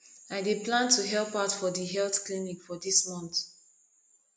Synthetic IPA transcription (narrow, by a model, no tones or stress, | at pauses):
aɪdeplãntʰuɦɛlpaʊtfɔdiɦɛlθklinikfɔdismɔ̃nt